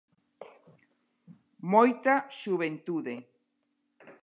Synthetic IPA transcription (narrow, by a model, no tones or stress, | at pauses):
mojt̪aʃuβent̪uðe